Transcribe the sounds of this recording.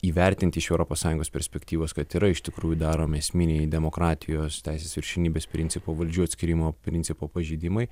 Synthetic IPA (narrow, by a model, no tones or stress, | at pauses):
iːʋʲɛɾʲt̪ʲɪnʲt̪ʲɪɪʃɛʊɾoːpoːssɑːjʊ̃ŋɡoːspʲɛɾʲsʲpʲɛkt̪ʲiːʋoːskɐt̪iːɾɐɪʃt̪ʲɪkɾuːjʊd̪ɑːɾoːmʲɛsʲmʲɪnʲɛɪd̪ʲɛmoːkɾɑːt̪ʲʰɪjoːst̪ʲɛɪsʲeːsʋʲɪɾʲʃʲɛnʲiːbʲeːspʲɾʲɪnʲsʲɪpoːʋɐlʲd͡ʒʲuːɐt̪sʲkʲɪɾʲimoːpʲɾʲɪnʲsʲɪpoːpɐʒʲiːd̪ʲɪmɐɪ